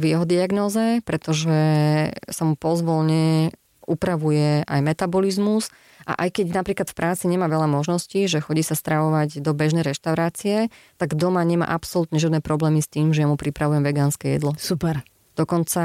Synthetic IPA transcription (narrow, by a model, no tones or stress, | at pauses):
ʋiɛɦɔd̪iaɡnɔːzɛpɾɛt̪ɔʒɛ | samupɔzʋɔlɲɛ | upɾaʋujɛʔajmɛt̪abɔlizmus | ʔa̰ʔajkɛɟnapɾiːklat̪fpɾʔaːt͡siɲɛmaːʋɛʎamɔʒnɔsciʒɛxɔɟiːsast̪ɾaʋɔʋaɟd̪ɔbɛʒnɛjɾɛʃt̪aʊɾaːt͡siɛt̪aɡd̪ɔmaɲɛma̰ːʔapsɔlut̪ɲɛʒɪad̪nɛːpɾɔblɛːmist̪iːmʒɛjamupɾipɾaʋujɛmʋɛɡaːnskɛjɛ̰d̪lɔsupɛɾ | d̪ɔkɔnt͡sa